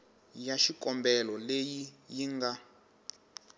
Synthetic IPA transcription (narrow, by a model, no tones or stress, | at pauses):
jaʃikʼɔmbɛlɔlejijiŋɡa